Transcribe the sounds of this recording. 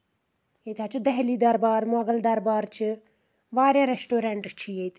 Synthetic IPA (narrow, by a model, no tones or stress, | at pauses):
jet̪ʰat͡ʃʰud̪ɐɦliːd̪ɐɾbaːɾmɔɡəld̪ɐɾbaːɾt͡ʃʰi | ʋaːɾʲãːɾesʈoːɾeɳʈt͡ʃʰijet̪ʰ